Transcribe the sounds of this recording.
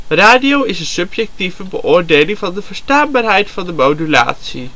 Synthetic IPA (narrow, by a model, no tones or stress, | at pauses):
raːdiowɪsənsɵpjɛk̚tivəbəʔʊːɹdejlɪŋvɑndəvəɹstaːnbaːɹɦɛjtfɑndəmowdyla̰ːtsi